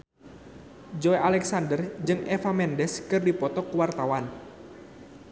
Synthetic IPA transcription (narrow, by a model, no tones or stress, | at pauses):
d͡ʒɔeʔalɛksandərd͡ʒɨŋɛfamɛndɛskɨrdipɔt̪ɔkəwart̪awan